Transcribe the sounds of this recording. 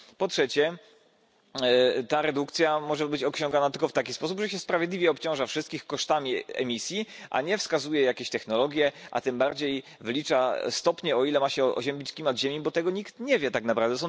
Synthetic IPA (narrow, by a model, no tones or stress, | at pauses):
pɔtʂɛt͡ɕɛ | t̪aɾɛd̪ukt̪sʲjamɔʐɛbɘt͡ɕɔkɕɔ̃ŋɡanat̪ɘlkɔft̪akʲispɔs̬upʐɛɕɛspɾavʲjed̪lʲivʲjɛɔpt͡ɕɔ̃w̃ʐafʂɨst̪kʲixkɔʂt̪amʲiɛ̰mʲisʲjiʔa̰ɲɛfskazujɛjakʲeɕt̪ɛxnɔlɔɡʲjɛʔa̰t̪ɘmbaɾd͡ʑejvlʲit͡ʂast̪ɔpɲɛɔilɛmaɕɛɔ̰ʑɛmbʲit͡ɕkʲimad̪ʑemʲibɔt̪ɛɡɔɲikt̪ɲɛvʲjɛt̪aknapɾavd̪ɛt̪sɔ